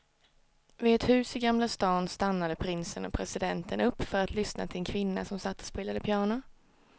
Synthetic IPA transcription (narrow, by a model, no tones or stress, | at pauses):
vɪd̪ɛt̪hʉ̟ːsɪɡamlast̪ɑːnst̪anːad̪əpʰɾɪnsənɔ̰pʰɾɛsɪd̪ɛnt̪ənɵpːfœɾat̪ʰlʏsna̰t̪ʰɪlɛnkʰvɪnːa̰sɔmsat̪ːɔ̥speːlad̪əpʰjɑːɳʊ